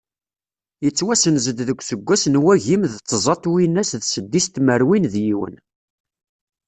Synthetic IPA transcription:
jət͡sːwæsənzəd̪ðəkʷːsəɡʷːæsnwæʝimðːzˤɑt̪ˤwinːæsðsəd̪ːist̪məɾwinðjiwə̰n

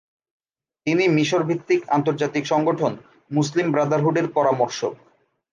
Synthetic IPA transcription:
t̪inimiʃoɾbʱit̪ːika̰nt̪̬oɾd͡ʑat̪ikʃɔŋɡoʈʰon | muslimbɾad̪aɾɦuɖeɾpɔɾamoɾʃo

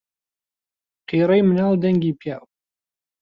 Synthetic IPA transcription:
qiɾˤejmənaːld̪ɛŋɡipʰjaw

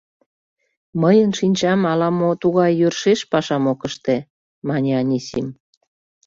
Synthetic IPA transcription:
məjənʃinʲt͡ɕɑmɑlɑmot̪uɣɑjːørʃeʃpɑʃɑmokəʃt̪e | mɑnʲeɑnʲisim

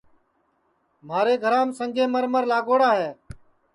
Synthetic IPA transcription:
m̤aːɾeːɡʱəɾãːmsəŋɡʱẽːməɾməɾlaːɡoːɽaːɦɛː

